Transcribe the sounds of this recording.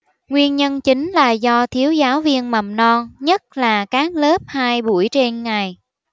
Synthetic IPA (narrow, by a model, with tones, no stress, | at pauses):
ŋwi˧ənɲə˧nt͡ɕï˨˦ŋ̟laː˨˩zɔ˧t̪ʰi˨˦əwzaː˨˦wvi˧ənma˨˩mnɔ˧nɲə˦˥t̚laː˨˩kaː˨˦˥k̚ləː˦˥p̚haː˧jɓu˧˩əjt͡ɕe˧nŋa˨˩j